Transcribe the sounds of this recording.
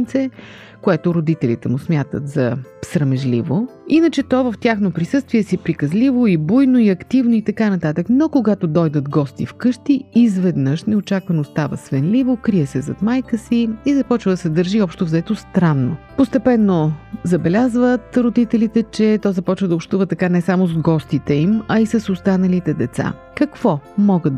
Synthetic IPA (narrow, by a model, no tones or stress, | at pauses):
t̪sɛ | koɛt̪oɾod̪it̪ɛlḭt̪ɛmʊsmʲjat̪ə̰t̪zɐsɾəmɛʒlḭvoinət͡ʃɛt̪ɔvəft̪ʲjaxnopɾisɤst̪viɛsipɾikɐzlivoibujnoiɐkt̪ivnoit̪ɐkanɐt̪at̪əknokoɡat̪od̪ɔjd̪ət̪ɡɔst̪ḭfkɤʃt̪iːzvɛd̪nɤʃnɛot͡ʃakvɐnost̪avə̰svɛnlivokɾijɛsɛzɐ̰t̪majkəsiizɐpɔt͡ʃvəd̪ɐsɛd̪əɾʒiɔpʃt̪ovzɛt̪ost̪ɾanːopost̪ɛpɛnːozɐbɛlʲazvət̪ɾod̪it̪ɛlit̪ɛt͡ʃɛt̪ɔzɐpɔt͡ʃvəd̪əopʃt̪uvət̪ɐkanɛsamozɡɔst̪it̪ɛimɐisɐsost̪anɐlit̪ɛd̪ɛt̪sa̰kɐkv̥ɔmɔɡə